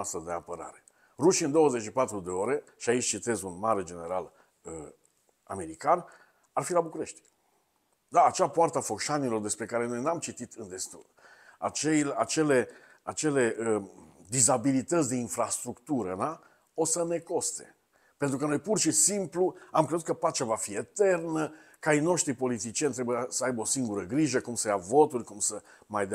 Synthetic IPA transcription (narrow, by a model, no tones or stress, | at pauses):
ast̪ɾəd̪e̞apəɾa̰ɾe̞ | ruʃiɨnd̪o̞wəze̞t͡ʃʃipat̪ɾud̪e̞o̞ɾe̞ʃiait͡ʃʲt͡ʃit̪e̞zunmaɾe̞d͡ʒe̞ne̞ɾal | ə | a̰me̞ɾikan | arfilabukuɾe̞ʃt̪ʲ | d̪aːt͡ʃapoart̪əafo̞kʃanilo̞rd̪e̞spɾe̞kaɾe̞no̞jnamt͡ʃit̪it̪ʰɨnd̪e̞st̪ṵl | a̰t͡ʃelat͡ʃe̞le̞ | at͡ʃe̞le̞əd̪izabilit̪ətsʲd̪e̞infɾast̪ɾukt̪uɾə̰na | o̞səne̞ko̞st̪e̞̰ | pe̞nt̪ɾukənojpurʃisimpluamkɾe̞zut̪kəpat͡ʃavafie̞t̪e̞rnə | kajno̞ʃt̪ɾipo̞lit̪̬it͡ʃijenʲt̪ɾebujasəajbəo̞siŋɡuɾəɡɾiʒəkumsəjavo̞t̪urʲkumsə | majd̪